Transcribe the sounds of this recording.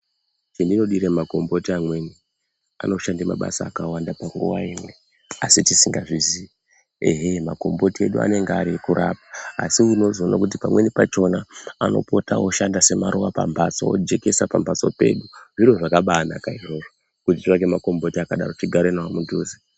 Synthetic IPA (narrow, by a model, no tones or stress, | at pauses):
t͡ʃendino̞ɗiɾemako̞mbo̞tiamwe̞ni | a̰no̞ʃandema̰ɓa̰saːkawandapaŋɡṵwa̰imwe̞ | asitisiŋɡaʐizi | eɦemako̞mbo̞tie̞ɗua̰ne̞ŋɡaɾikuɾʔa̰p̚ḁ̰ːsiuno̞zona̰kutipamwe̞nipat͡ʃo̞naano̞̰po̞tawoʃandase̞maɾowapa̰mbʱat͡so̰od͡ʒe̞ke̞sapambʱat͡so̞̰pe̞̰ːɗuʐiroʐakaɓaːnakaiʐo̞ːʐo | kutit͡ʃiʋakemako̞mbo̞tiakaɗa̰ro̞t͡ʃiɡʱaɾenawamuduːzi